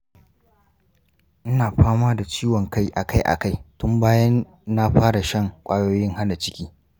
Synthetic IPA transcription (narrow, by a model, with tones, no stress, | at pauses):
ʔɪ˦naː˨ɸaː˦maː˦da˨t͡ʃiː˦wɔ˨ŋka˦jʔa̰˨kʰa˦jʔa̰˨ka˦˨jtʊ˦mbaː˦jɐ˦nː | a˦ɸaː˦ɽa˨ʃɐ˦˨ŋkʷʼaː˦joː˦jɪ˦ŋha˦na˨t͡ʃɪ˦kʲiː˦